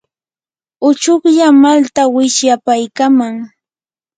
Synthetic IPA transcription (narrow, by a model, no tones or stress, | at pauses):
ʊt͡ʃʊχʎamalt̪awɪʃjapajkamaŋ